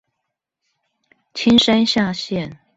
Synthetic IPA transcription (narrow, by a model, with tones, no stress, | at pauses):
t͡ɕʰi˥nʂa˥nɕja˥˧ɕjɛ˥˨n